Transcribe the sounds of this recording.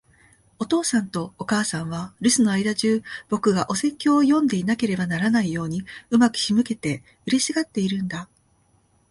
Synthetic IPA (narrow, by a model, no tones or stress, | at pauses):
o̞t̪o̞ːsãnt̪o̞ːkaːsãɰ̃β̞aɾɯ̟sɨno̞aid̪aʑɨːb̥o̞kɯ̟ɡaʔo̞se̞kʲːo̞ːjõ̞nd̪e̞inake̞ɾe̞banaɾanaijo̞ːɲ̟iɯ̟makɯ̟̥çimɯ̟ke̞t̪e̞ | ɯ̟ɾʲeɕiɡat̪ːe̞iɾɯ̟̃nd̪a